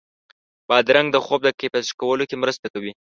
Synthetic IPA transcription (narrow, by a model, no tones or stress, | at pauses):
b̥ɑd̪ɾaŋɡd̪əxob̚d̪əkepaʃkawəlokemɾəst̪akawi